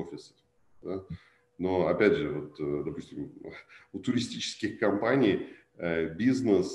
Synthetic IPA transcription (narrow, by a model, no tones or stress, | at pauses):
ofʲɪsə̥ | d̪a | noɐpʲædʲʐɨvo̞t̪d̪ɐpusʲtʲɪmʊt̪ʊɾʲɪsʲtʲit͡ɕɪ̥skʲɪxkɐmpanʲij | əbʲiznəs